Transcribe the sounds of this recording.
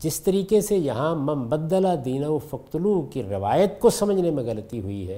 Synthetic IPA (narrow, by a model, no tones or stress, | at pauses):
d͡ʒɪst̪ɐɾiːkesejɐɦãmɐmbɐd̪ːəlad̪iːnaufɐk̚t̪ʊlukiɾɪʋaːjət̪kosɐməd͡ʒʱnemẽɣɐlət̪iɦʊiɦɛː